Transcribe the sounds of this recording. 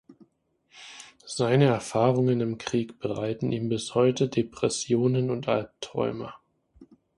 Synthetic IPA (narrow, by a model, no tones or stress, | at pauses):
z̥aɪnəɛɐfaːʁʊŋənɪmkʁ̥iːkb̥əʁaɪtn̩ʔiːmbɪshɔʏtədepʁ̥ɛsjoːnənʊntʔalp̚tʁ̥ɔ̰ʏmɐ̰